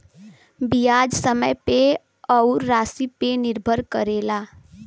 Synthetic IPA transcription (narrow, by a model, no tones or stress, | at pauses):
bijaːd͡ʒsəməjpe | ɔːʊɾːaːsipenɪɾbʱəɾkəɾeːlaː